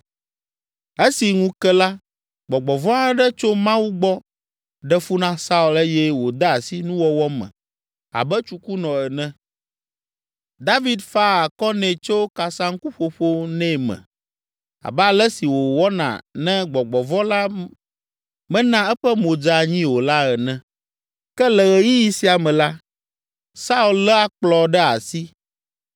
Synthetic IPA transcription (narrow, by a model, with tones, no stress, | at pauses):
e˦si˨ŋũ˦kɛ˦la˦ | ɡ͡bɔ˨ɡ͡bɔ˨vɔ˦a˦ɖɛ˦t͡ʃo˦mã˦wu˦ɡ͡bɔ˦ | ɖɛ˦fu˦nã˦sa˦u˨lɛ˦jɛ˦wo˨d̪a˦a˨si˦nũ˦wɔ˦wɔ˦mɛ̰̃˨ | a̰˨bɛ˦t͡ʃu˦ku˦nɔ̃˨ɛ˨nɛ̃˦ | d̪a˦vi˨˦d̪fa˦a˨kɔ˦nɛ̃˨t͡ʃo˦ka˨sã˦ŋ̩˦ku˦ɸo˨ɸo˦nɛ̃˦˨mɛ̰̃˨ | a̰˨bɛ˦a˨lɛ˦si˨wo˨wɔ˦nã̰˨nɛ̃˦ɡ͡bɔ˨ɡ͡bɔ˨vɔ˦la˦ | mɛ̃˦nã˦ɛ˦ɸɛ˦mõ˨d͡ʒa˨ɲĩ˦wo˨la˦ɛ˨nɛ̃˦ | kɛ˦lɛ˨ɣɛ˨ji˦ji˦si˦a˨mɛ̃˨la˦ | sa˦u˨llɛ˦a˦k͡plɔ˨ɖɛ˦a˨si˦